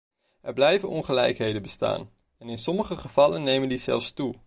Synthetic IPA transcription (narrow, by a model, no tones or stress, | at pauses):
ɛɹblɛjvənɔnχəlɛ̰jkɦejdənbəsta̰ːn | ɛnɪnsɔməχəχəv̥ɑlənːejməndizɛ̰lˠfstu